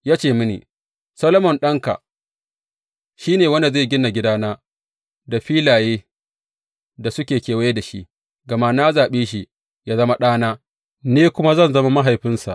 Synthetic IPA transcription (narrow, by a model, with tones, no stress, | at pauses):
jaː˦t͡ʃeː˨mʊ˦nḭ˨ | sɐ˦lɐ˦mɔ˨nɗɐ˦ŋka̰˨ | ʃiː˦neː˨wɐ˦nda˨za˦˨ɡʲɪ˦na˨ɡʲɪ˦daː˦naː˦ | da˨ɸiː˦laː˨jeː˦ | da˨sʊ˦kʲeː˨kʲeː˨wa˦je˦da˨ʃḭ˦ʔ | ɡɐ˨ma˦naː˦zaː˨ɓeː˦ʃ̬i˦ʔ | jaː˦zɐ˦ma˦ɗaː˦naː˦ | neː˦kʷʊ˦ma˦zɐ˦˨nzɐ˦ma˦ma˦ɦa˨jɸɪ˦nsa̰˨ʔ